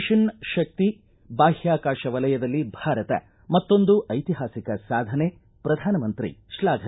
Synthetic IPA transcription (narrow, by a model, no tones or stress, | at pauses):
ʃɐnʃɐk̚t̪i | baːɦjaːkaːʃɐʋɐlɐjɐd̪ɐlːibʱaːɾɐt̪ɐ̰ | mɐt̪ːo̞nd̪uʔɐjt̪iɦaːsikɐsaːd̪ʱɐne | pɾɐd̪ʱaːnɐmɐnt̪ɾḭʃlaːɡʱɐ